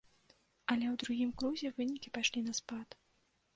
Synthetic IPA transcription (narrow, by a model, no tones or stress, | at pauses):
ɐlʲɛwd̪ɾuɣʲimkɾuzʲɛvɨnʲikʲipaʂlʲinɐspat̪